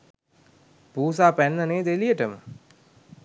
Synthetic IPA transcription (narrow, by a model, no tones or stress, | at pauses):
puːs̬aːpænːəneːd̪elijəʈəmə